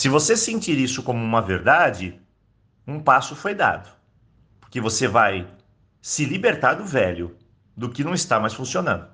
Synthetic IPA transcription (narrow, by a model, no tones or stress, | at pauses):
sɪvosesẽnt͡ʃiɾisʊkõmʊũmɐveɾd̪ad͡ʒɪ | ũpasʊfojd̪a̰d̪ʊ | poɾkevosevaj | sɪlibeɾt̪aɾd̪ʊvɛʎʊ | d̪ʊkɪnɐ̃w̃ɪst̪amajsfũsionɐ̰̃nd̪ʊ